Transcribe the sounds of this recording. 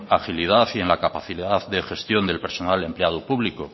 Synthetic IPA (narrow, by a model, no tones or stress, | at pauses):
axiliðaθie̞nlakapaθiðaððe̞xe̞st̪jo̞nd̪e̞lpe̞ɾso̞nale̞mpleað̞upuβliko